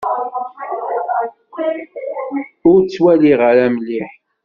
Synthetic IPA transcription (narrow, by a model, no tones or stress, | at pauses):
ʊɾt͡sːwæliʁəɾæmliħ